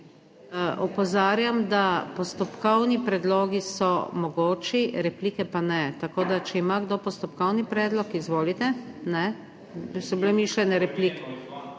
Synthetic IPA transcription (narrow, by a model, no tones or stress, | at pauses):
ʔɔpɔzaːɾjamd̪apɔst̪ɔpkɔwnipɾɛd̪loːɡisɔmɔɡoːt͡ʃiɾɛpliːkɛpanɛt̪akoːd̪at͡ʃɛimaɡd̪oːpɔst̪ɔpkɔwnipɾɛːd̪lɔkizʋoːlit̪ɛnɛ | sɔblɛmiːʃlʲɛnɛɾɛplikɛ